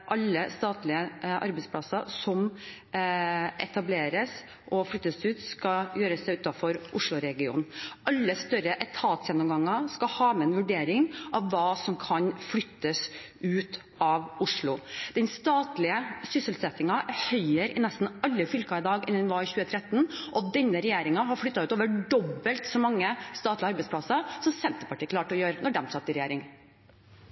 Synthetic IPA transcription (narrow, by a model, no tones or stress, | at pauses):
ʔɑlːəst̪ɑːt̪lɪəʔɑ̰ɾbɛɪspʰlɑsɑsɔm | ʔɛ̰t̪ɑbleːɾəs | ʔɔflʏt̪ːəsʉːt̪skɑjøːɾəsɛɪʉːt̪ɑfɔɾʔʊʂɭʊɾɛɡɪṵːnʔɑlːəst̪œɾəʔɛt̪ʰɑːt̪sjɛnːɔmɡɑŋːɑskɑhɑːmɛɛnʋʉɖeːɾɪŋʔɑʋʋɑːsɔmkʰɑnflʏt̪ːəs | ʉːt̪ | ɑʋʊʂɭʊd̪̥ɛnst̪ɑːt̪lɪəsʏsəlsɛt̪ɪŋɑhœʏəɾɪnɛst̪n̩ɑlːəfʏlkɑɪd̪ɑːɡɪ̰nːnʋɑçʉːət̪ʰɾɛt̪ːnʔɔd̪ɛnːəɾɛjeːɾɪŋɑɦɑɾfɽʏt̪ːɑʉːt̪oːʋəɖɔbːəlt̪sɔmɑŋːəst̪ɑːt̪lɪəɑɾbɛɪtspʰlɑsɑsɔmsɛnt̪əpɑʈiːəkʰlɑːʈɔjøːɾənɔɖɛmsɑt̪ːɪɾɛjeːɾɪŋ